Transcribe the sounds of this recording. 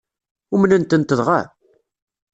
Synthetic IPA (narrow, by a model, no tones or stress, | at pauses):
ʊmnənt̪ənt̪əðʁa̰